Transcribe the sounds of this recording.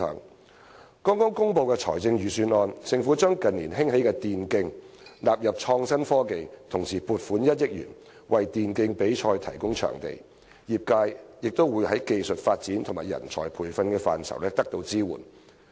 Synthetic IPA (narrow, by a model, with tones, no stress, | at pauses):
ŋ | kɔː˥ŋkɔː˥ŋkʊ˥ŋpo˧wkɛː˧t͡ʃʰɔ̰ː˨˩jt͡sɪ˧ŋjyː˨syː˧nɔː˧nsɪ˨˧ŋfuː˨˥t͡ʃœː˥ŋkɐ˨nliː˨˩nɦɪ˥ŋhe˨˥jkɛː˧t̪iː˨nkɪ˧ŋlaː˨p̚jɐ˨p̚t͡ʃʰɔː˧ŋsɐ˥nfɔː˥ke˨jt̪ʰʊ˨˩ŋsiː˨˩puː˨t̚fuː˨˥njɐ˥t̚jɪ˥k̚jy̰ː˨˩n | wɐ˨jt̪iː˨nkɪ˧ŋpe˨˥jt͡ʃʰɔː˧jt̪ʰɐ˨˩jkʊ˥ŋt͡ʃʰœ̰ː˨˩ŋt̪ḛ˨j | jiː˨˩p̚kaː˧jjɪ˨k̚t̪o˥wuː˨˧jhɐ˨˥jke˨˧jsɵ˨t̚faː˧t̚t͡siː˨˥nt̪ʰʊ˨˩ŋmaː˨jɐ̰˨˩nt͡ʃʰɔː˨˩jpʰuː˨˩jfɐ˧nkɛː˧fa̰ː˨nsɐ̰˨˩wlɛː˥t̪ɐ˥k̚t̪o˧wt͡siː˥wṵː˨˩n